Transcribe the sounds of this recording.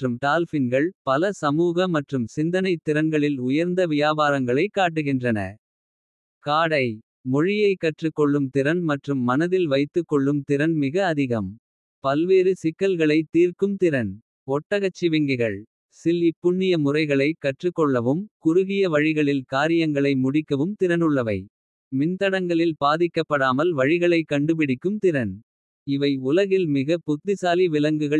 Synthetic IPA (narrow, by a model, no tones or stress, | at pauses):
rɯmt̪aːlfɪnɡɐɭpɐlɐsɐmuːɣɐmɐʈrɯmsɪnd̪ɐnɐɪt̪ːɪɾɐnɡɐɭɪlʊjɐɾnd̪ɐʋɪjaːbaːɾɐŋɡɐɭɐɪkːaːʈ̬ːɯɣɪndrɐnɐ̰ | kaːɽɐɪ | mɔɻɪjɐɪkːɐʈrɯkːɔɭːɯmt̪ɪɾɐnmɐʈrɯmːɐnɐðɪlʋɐɪt̪ːɯkːɔɭːɯmt̪ɪɾɐnmɪɣɐːðɪɣɐm | pɐlʋeːɾɯsɪkːɐlɣɐɭɐɪt̪iːɾkɯmt̪ɪɾɐn | ɔʈːɐɣɐt͡ʃːɪʋɪŋɡɪɣɐɭ | sɪlːipːʊɳːɪjɐmʊrɐɪɣɐɭɐɪkɐʈrɯkːɔɭːɐʋɯmkʊɾʊɣɪjɐʋɐɻɪɣɐɭɪlkaːɾɪjɐŋɡɐɭɐɪmʊɽɪkːɐʋɯmt̪ɪɾɐnɯɭːɐʋɐɪ | mɪnt̪ɐɽɐŋɡɐɭɪlpaːðɪkːɐpːɐɽaːmɐlʋɐɻɪɣɐɭɐɪkːɐɳɖɯp̬ɪɽɪkːɯmt̪ɪɾɐn | ɪʋɐɪʊlɐɣɪlmɪɣɐpʊt̪ːɪsaːliʋɪlɐŋɡɯɣɐ